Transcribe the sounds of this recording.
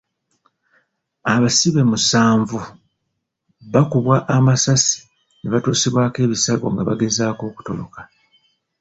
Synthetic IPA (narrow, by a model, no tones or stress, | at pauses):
aβasiβe̞musaːɱvu | βakuβwaʔːmasasi̥ | neβatuːsiβwaːke̞ːβisaɡo̞̰ŋɡaβa̰ɡe̞zaːko̞ːku̥to̞lo̰kḁ